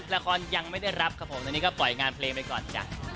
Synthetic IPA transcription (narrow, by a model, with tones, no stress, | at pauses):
t̚la˧kʰɔː˧nja˧ŋma˥˩jda˥˩jɾa˦˥p̚kʰa˦˥pʰo˩˦mt̪a˧niː˦˥kɔ˥˩plɔ˨˩jŋaː˧npʰleː˧ŋba˧˩jkɔː˨˩nt͡ɕa̰ː˨˩